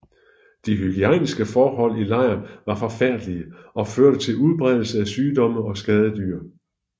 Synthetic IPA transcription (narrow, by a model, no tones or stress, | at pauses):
d̥iɦyɡ̥iænisɡ̥əfɒːɦɒ̽l̰ilɑ̈ɪ̰ɐnʋɑ̈fɒ̽fæɐ̰d̥liəɒ̽føɐ̰ɾ̥ət͡sʰe̝luð̞ˠb̥ʁɛðˠl̩səæsyːd̥ɒ̽məɒ̽sɡ̥ɛːð̞ˠəd̥yɐ